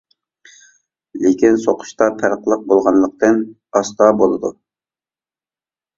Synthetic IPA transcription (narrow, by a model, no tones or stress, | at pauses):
lekʲinsoqʰʊ̥ʃt̪ɑpʰæɾəqlˠəq̚bolˠʁɑnlˠəq̚t̪ɨn | ɑst̪ɑbolˠɨd̪u